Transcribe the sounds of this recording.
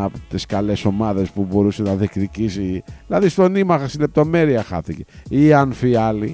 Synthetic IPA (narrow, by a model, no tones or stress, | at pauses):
ɐpt̪iskɐle̞so̞mɐðe̞spubo̞ɾuse̞nɐðikticisiðilɐðist̪o̞nimɐxɐst̪ile̞p̚t̪o̞me̞ɾiɐxɐ̰θiceiɐnfiɐli